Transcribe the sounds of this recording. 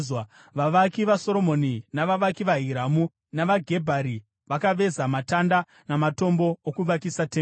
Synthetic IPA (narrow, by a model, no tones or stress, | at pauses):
ʋaʋakiʋaso̞ɾo̞mo̞ninaʋaʋakiʋaɦiɾamu | naʋaɡʱe̞bʱaɾi | ʋakaʋe̞zamatanda | namato̞mbo̞okuʋakisate